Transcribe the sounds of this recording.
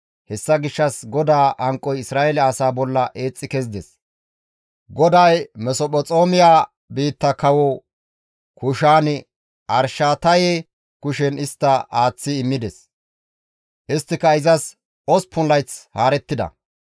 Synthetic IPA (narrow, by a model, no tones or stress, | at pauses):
hɛsːɐɡɪʃːɐsɡɔd̪aːʔɐŋkʼːɔjɪsɾaːjɛlɛɐsaːbɔlːɐʔe̞ːt͡sʼːɪkɛzd̪ɛs | ɡɔd̪ɐjmɛsɔpʼɔt͡sʼo̞ːmɪjaː | biːt̪ːɐkɐwɔ | kʊʃaːnɪ | ʔɐɾʃaːt̪ɐjeː | kʊʃɛnɪst̪ːɐaːt͡sːɪːmːɪd̪ɛs | ʔɪst̪ːɪkɐɪzɐs | ɔspʊnlɐjt͡shaːɾɛt̪ːɪd̪ɐ̰